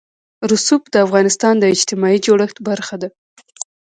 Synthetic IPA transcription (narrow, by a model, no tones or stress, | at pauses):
ɾʊsup̚d̪əafɣɑnɪst̪ɑnd̪əɪd͡ʒt̪ɪmɑid͡ʒoɽəxt̪baɾxad̪a